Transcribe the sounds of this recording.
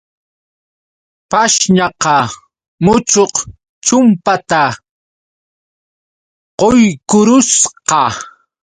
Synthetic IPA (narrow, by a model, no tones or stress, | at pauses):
paʃʎɑqɑ | mʊt͡ʃoq | t͡ʃʊmpat̪a | qojkʊɾʊsqɑ